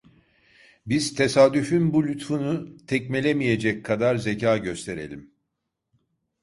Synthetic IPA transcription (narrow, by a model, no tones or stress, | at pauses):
biz̥t̪ʰe̞saːd̪yfynbulʲyt̪funut̪ʰɛcmelʲemije̞d͡ʒɛckʰːad̪aɾze̞caːɟø̞st̪ʰe̞ɾe̞̰lʲim